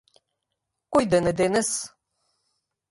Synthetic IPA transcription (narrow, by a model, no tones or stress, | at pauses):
kʷʊjd̪ɐnɨd̪enɨs